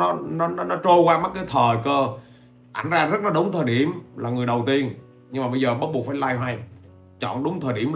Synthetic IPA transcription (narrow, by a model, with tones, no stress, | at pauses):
ɔ˨˦nɔ˨˦nɔ˨˦nɔ˨˦t͡ɕo˧kwaː˧ma˦˥t̚kaː˨˦jt̪ʰəː˨˩kəː˧ | ʔa̰˧˩jŋ̟zaː˧zə˦˥la˨˦˥ɗʊ˨˦ŋ͡mt̪ʰəː˨˩jɗi˧˩əmlaː˨˩ŋɨ˨˩əjɗə˨˩wt̪i˧ən | ɲɨ˧ŋŋ͡mmaː˨˩ɓə˧jzəː˨˩ɓə˦˥t̚ɓu˨˩ət̚faː˧˩jlaː˧jha˧j | t͡ɕɔ̰˧˨nɗʊ˨˦ŋ͡mt̪ʰəː˨˩jɗi˧˩əm